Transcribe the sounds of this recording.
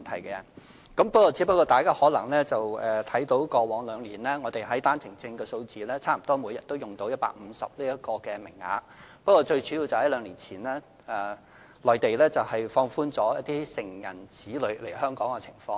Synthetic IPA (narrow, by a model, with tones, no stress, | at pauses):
nt̪ʰɐ˨˩jkɛː˧jɐ̰˨˩n | kɐ˨˥mpɐ˥k̚kɔː˧t͡si˨˥pɐ˥kːɔː˧t̪aː˨jkaː˥hɔː˨˥lɐ˨˩ŋlɛː˥t͡sɐ˨wɛː˨˩t̪ʰɐ˨˥jt̪o˨˥wkɔː˧wɔː˨˧˥ŋlœː˨˧ŋliː˨˩nlɛː˥ŋɔː˨˧t̪e˨jɦɐ˨˥jt̪aː˥nt͡sʰɪ˨˩ŋt͡sɪ˧ŋkɛː˧so˧wt͡siː˨lɛː˥t͡sʰaː˥m̩˨˩t̪ɔː˥muː˨˥jɐ˨t̚t̪o˥wjʊ˨ŋt̪o˨˥wjɐ˥t̚pa̰ː˧k̚m̩˨˧sɐ̰˨p̚liː˥ɐ˥kɔː˧kɛː˧mɪ̰˨˩ŋːa̰ː˨˥ | pɐ˥kɔː˧t͡ʃɵ˧ɥt͡ʃyː˨˥jiː˨˧wt͡sɐ˨˩whɐ˨˥jlœː˨˧ŋliː˨˩nt͡sʰiː˨˩nlɛː˥ | ɛː˨˩ | lɔː˨˩jt̪e˨jlɛː˥t͡sɐ˨˩whɐ˨jfɔː˧ŋfuː˥nt͡sɔː˨˥jɐ˥t̚t̪iː˥sɪ˨˩ŋjɐ̰˨˩nt͡siː˨˥lɵ˨˧ɥle˨˩jhœː˥ŋkɔː˨˥ŋkɛː˧t͡sʰɪ̥̰˨˩ŋfɔː˧ŋ